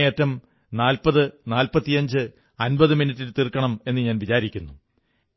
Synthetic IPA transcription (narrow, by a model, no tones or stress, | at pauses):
eːtːɐm | naːlpɐðɨnaːlpɐt̪ːijɐɲd͡ʑɨ | ɐnbɐðɨminitːilt̪irkːɐɳɐme̞nːɨɲaːnʋit͡ɕaːɾikʲːunːu